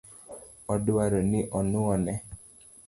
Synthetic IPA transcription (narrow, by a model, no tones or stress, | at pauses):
ɔdʊaɾonɪʔɔnʊɔnɛ